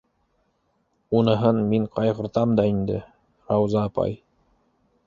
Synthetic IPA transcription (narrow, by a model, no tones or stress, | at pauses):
unɤ̆ɦɤnmiɴqɑjʁɤ̆ɾt̪ɑmd̪ɑind̪ɘ | ɾɑwzɑːpɑ̰j